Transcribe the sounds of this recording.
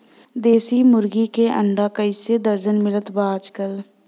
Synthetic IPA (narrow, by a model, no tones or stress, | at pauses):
d̪eːsiːmʊɾɡikeʔəɳɖaːkəɪsed̪əɾd͡ʒənmɪlət̪baːd͡ʒkəl